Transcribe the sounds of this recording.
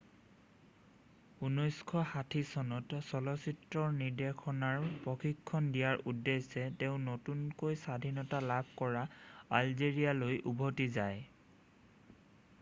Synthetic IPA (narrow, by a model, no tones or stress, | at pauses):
unɔjskʰɔhatʰisɔnɔtsɔlɔsitɹɔniɹdekʰɔnaɹpɹɔxikʰːɔndijaɹʔudːesɛteʊ̃notunkojsadʱinɔtalabʱkɔɹaalzeɹijalojʔubʱotizaj